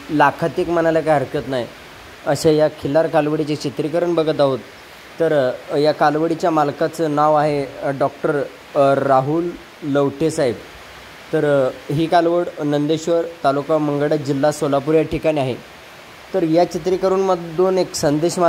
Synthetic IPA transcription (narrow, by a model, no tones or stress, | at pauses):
lakʰat̪ekmənaljakajɦəɾkjət̪naj | əɕajakʰilaɾkalʋəɽit͡ɕet͡ɕit̪ɾikəɾəɳbəɡʱət̪aɦot̪ː | əɾjakalʋəɽit͡ɕjamalkat͡sənaʋaɦeɖɔk̚ʈəɾː | aɦulː | əʋʈʰesaɦib | t̪əɾɦiːkalʋəɽnənd̪eɕʋəɾt̪alukaməŋɡəɽad͡ʑilːasolapuɾjaʈʰikaɽ̃iaɦe | t̪əɾjat͡ɕit̪ɾikəɾuːnməd̪oneksənd̪eɕma